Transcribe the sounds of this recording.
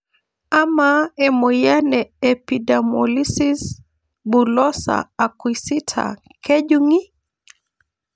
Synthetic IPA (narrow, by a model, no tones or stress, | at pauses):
amaɛmɔjanɛːpidamɔlisis | bulɔsa̰ːkwisitʰa̰ | kʰɛʄuŋi